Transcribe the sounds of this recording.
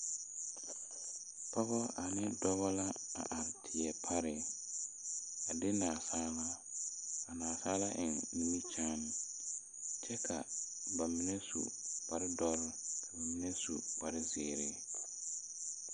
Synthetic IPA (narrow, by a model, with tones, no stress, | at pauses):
pʰɔ˦bɔ˦a˨nɪ˦dɔ˦bɔ˦la˦a̰˨ʔa˨ɾtʰɪ˨ɛ˨pʰa˦ɾɪ˨ | a˨dɪ˦naː˨saː˦la˦ | a˨naː˨saː˦la˦ʔɪ˨ŋ˨nũ˦mi˦t͡ʃaː˦nɪ˨ | t͡ʃɛ˦kʰa̰˨ | ba˨mɪ˦nɛ˦sṵ˨k͡pa˨ɾɪ˦dɔ˦ɾɪ˦kʰa˨ba˨mi˦nɛ˦sṵ˨k͡pa˨ɾɪ˦zeː˨ɾɪ˦